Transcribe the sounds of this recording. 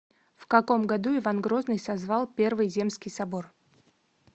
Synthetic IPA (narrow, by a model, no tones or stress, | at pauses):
fkɐko̞mɡɐd̪uɪvanɡɾo̞znɨjsɐzvalˠpʲe̞rvɨjzʲe̞mskʲɪjsɐbo̞r